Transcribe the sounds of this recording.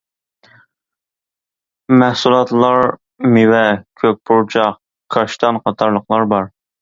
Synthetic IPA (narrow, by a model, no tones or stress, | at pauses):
mæhsulˠɑt̪lˠɑɾ | mɪwɛkʲʰøk̚ʲpʰuɾt͡ʃʰɑq | kʰɑʃt̪ɑnqʰɑt̪ʰɑɾlˠəqlˠɑɾbɑɾ